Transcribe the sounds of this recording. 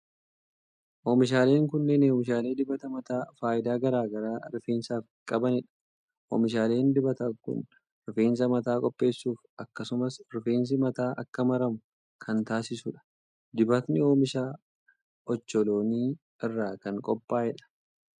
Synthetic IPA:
ʔoːmɪʃ̬aːle̞ːŋkʊnːeneːmɪʃaːle̞ːd̪ɪbɐt̪ɐmɐt̪aːfaːʔɪd̪aːɡɐɾaːɡɐɾaːɾɪfeːnsaːf | kʼɐbɐnɪᶑɐ̥ | ʔoːmɪʃ̬aːleːnd̪ɪbɐt̪ɐkʊ̰n | ɾʊfeːns̬ɐmɐt̪aːkʼɔpʼːe̞ːsːuːfʔɐkːɐsʊmɐsɾʊfeːns̬ɪmɐt̪aːʔɐkːɐmɐɾɐmʊ | kʰɐnt̪aːsɪsʊᶑɐ̥ | d̪ɪbɐt̪nɪo̞ːmɪʃaː | ɔt͡ʃːɔlo̞ːniː | ɪrːaːkɐŋkʼɔpʼːaːɛᶑɐ̥

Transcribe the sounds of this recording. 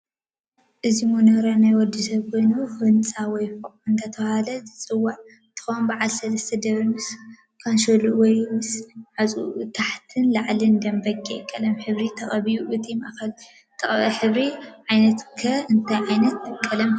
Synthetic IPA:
ʔɨzimonɐɾanajwɔd̪ːisɐβkʰojnuhɨnt͡sʼawɔjfoqʼɨnt̪ʰɐt̪ʰɐβhalɐzɨt͡sʼɨwːaʕ | t̪ʰɨ̥xombaʕalsɐlɐst̪ʰɐd̪ɐβimɨs | kʰanʃoluwɔjmɨsʕat͡sʼṵt̪ʰaħt̪ʰɨnlaʕlind̪ɐmbɐɡʼekʼːɐlɐmħɨβɾit̪ʰɐχʼɐβijuʔɨt̪ʰimʔa̰kɐl | t̪ʰɐχʼħɨβɾiʕajnɐt̪kʰɐɨnt̪ʰajʕajnɐt̪ɨkʼːɐlɐm

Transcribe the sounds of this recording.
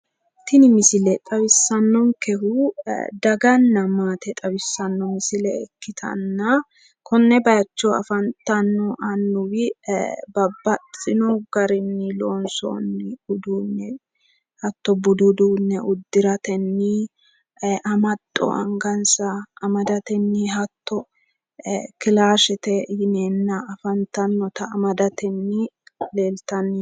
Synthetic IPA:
t̪ɪnɪmɪsɪlɛt̪ʼɐwɪsːɐnːɔŋkɛhʊd̪ɐɡɐnːɐmaːt̪ɛt̪ʼɐwɪsːɐnːɔmɪsɪlɛːkːɪt̪ʰɐ̰nːɐ | kʰɔnːɛbɐjɐt͡ʃːɔɐ̰fɐnt̪ːɐnːɔʔɐnːʊwɪbɐbːɐt͡sʼɪnɔɡ̥ɐɾɪnːɪloːnsɔ̰nːɪʊd̪uːnːɛ | hɐt̪ːɔbʊd̪ʊd̪uːnːɛʊd̪ːɪɾɐt̪ɛnːɪ | ʔɐmɐt̪ʼːɔ̰ʔɐŋɡɐnsɐːmɐd̪ɐt̪ɛnːɪɦɐt̪ːɔ | kɪlaːʃɛt̪ɛjɪneːnːɐːfɐnt̪ɐnːɔt̪ɐːmɐd̪ɐt̪ɛnːɪle̞ːlt̪ɐnːɪ

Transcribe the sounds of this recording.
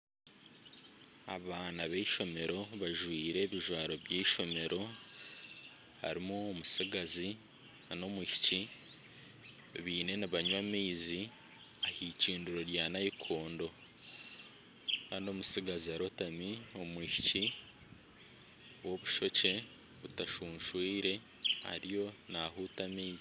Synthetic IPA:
a̰βaːnaβeiʃo̞me̞ɾo̞βaʒwiːɾe̞ːβiʒwaːɾo̞βjeiʃo̞me̞ɾʔo̞ | ha̰ɾimuːmusiɡazi | ano̞miʃi̥ci | βiːne̞naβaɲwamiːzi | ahiːciːnduɾo̞ɾjaːnajikʰo̞ːndo̞ | kaːndio̞musiɡaziaɾotamio̞mwiʃici | wo̞βuʃo̞ce̞ | βutaʃuːnʃwiːɾe̞ | a̰ɾijo̞naɦuːtamiːzi

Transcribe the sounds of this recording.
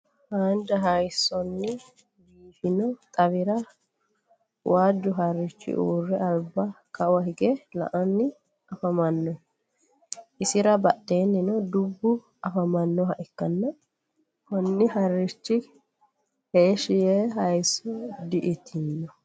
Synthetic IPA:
haːnd͡ʒɐɦɐjsːɔnːɪ | biːfɪnɔt̪ʼɐβɪɾɐ | wʔaːd͡ʒːʊɦɐɾːɪt͡ʃːɪ̰ʔuːrːɛɐlbːɐkɐwɐhɪɡɛlɐ̰ʔɐnːɪ | ɐfɐmɐnːɔ | ʔɪsɪɾɐbɐɗːe̞ːnːɪnɔd̪ʊbːʊ | ʔɐfɐmɐnːɔɦɐʔɪkːɐnːɐ | kɔnːɪhɐrːɪt͡ʃːɪ | heːʃɪjeɦɐjsːɔd̪ɪʔɪt̪ʰɪnːɔ

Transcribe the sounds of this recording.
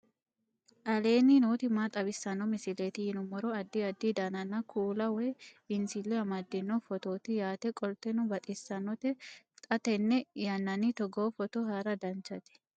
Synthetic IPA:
ʔɐleːninoːt̪ɪmaːt̪ʼɐbɪsːɐnːɔmɪsɪleːt̪ɪhɪnʊmɔɾɔɐd̪ːiɐd̪ːid̪anɐnːɐkʰuːlɐwɛbɪnsɪlːɛɐmɐd̪ːɪnːɔfɔt̪oːt̪ɪjaːt̪ɛkʼɔlt̪ɛnʊbɐt̪ʼɪsːɐnɔt̪ɛ | t̪ʼɐt̪ɛnːɛjɐnːɐnit̪ɔɡoːfɔt̪oɦaːɾɐd̪ɐnt͡ʃɐt̪ɪ̥

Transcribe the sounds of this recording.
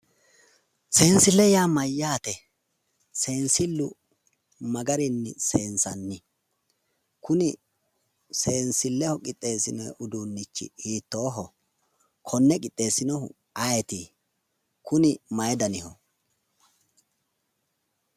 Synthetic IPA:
seːnsɪlːɛjaːmɐjːaːt̪ɛ | se̞ːnsɪlːʊ | mɐɡɐɾɪnːɪseːnsɐnːɪ | kʊnɪ | se̞ːnsɪlːɛhɔkʼɪt̪ʼːe̞ːsɪnɔʔʊd̪uːnːɪt͡ʃːɪ̰iːt̪ːoːɦɔ | kʰɔnːɛkʼɪt̪ʼːe̞ːsɪnɔhʊ̰ | ɐjɛt̪i | kʰʊnɪmɐjɛd̪ɐnɪhɔ

